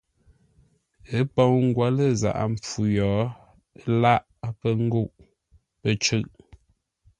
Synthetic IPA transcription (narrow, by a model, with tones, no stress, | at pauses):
ə˨˦pɔ˦wŋ˦ɡwa˦lə˦˨za̰˨ʔa̰˨m˨p͡fu˨jɔː˨˦ | la˦ʔpə˦ŋ˦ɡo˦˨ʔ | pə˨t͡ʃʉ˦˨ʔ